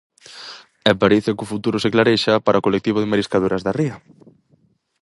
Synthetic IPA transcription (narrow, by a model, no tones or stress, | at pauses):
ɛpaɾiθɪkʊfut̪uɾʊsɪklaɾeʃapaɾaokolek̚t̪iβ̞ʊðɪmaɾiskaðuɾɐzðariɐ